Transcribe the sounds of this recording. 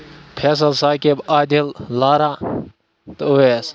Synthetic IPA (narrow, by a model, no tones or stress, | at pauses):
pʰeːs̬əlsaːkebaːd̪ʱellaːɾaː | t̪əoes